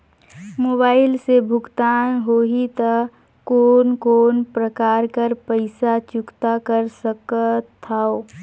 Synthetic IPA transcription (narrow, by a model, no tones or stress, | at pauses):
moːbaːɪlsebʱʊɡt̪aːnɦoːɦit̪ə | koːnkoːnpɾəkaːɾkəɾpəɪsat͡ʃʊkt̪akəɾsəkət̪ʰːao